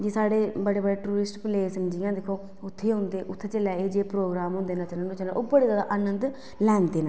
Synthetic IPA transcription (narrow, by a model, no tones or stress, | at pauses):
d͡ʒiːsaːɽeːbəɽeːbəɽeːʈuːɾɪsʈpleːsənd͡ʒiːãːd̪ekʰːoː | ʊt̪ʰːeːɦõnd̪eːʔʊt̪ʰːeːt͡ʃəlaːeːd͡ʒeːpɾoːɡɾaːmɦõːnd̪eːnãːt͡ʃələoːt͡ʃəlʔoːbəɽeːzaːd̪a̰ʔaːnənd̪ | lɛːnd̪eːnãː